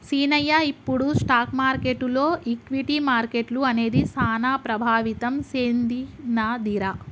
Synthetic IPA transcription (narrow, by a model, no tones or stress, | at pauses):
siːnɐjaipːuɽusʈaːkmaːɾkeʈːulo̞ːʔikʋiʈimaːɾkeʈluɐne̞ːd̪isaːnaːpɾɐbʱaːʋit̪ɐmseːnd̪inad̪iɾa